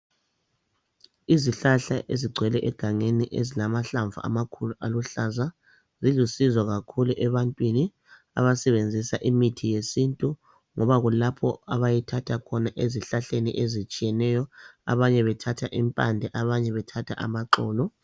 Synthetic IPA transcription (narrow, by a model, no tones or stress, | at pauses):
iziɬaɬaʔeziɡ͡ǀʱwɛlɛʔɛɡ̥ʱaŋeniʔḛzilamaɬaɱvʱṵa̰makʰuluʔaluɬaza | zilusizɔɣakʰuluʔɛβantʼwini | a̰βasɛβend͡zʱisaʔimitʰijesintʼu | ŋɔβaɣulapʰɔ̰aβajitʰatʰakʰɔnaʔeziɬaɬenḭʔezit͡ʃʼijɛnɛjɔa̰βaɲɛβɛtʰatʰaʔimpʼandʱɛʔaβaɲɛβɛtʰatʰa̰ʔa̰maǃɔːlɔ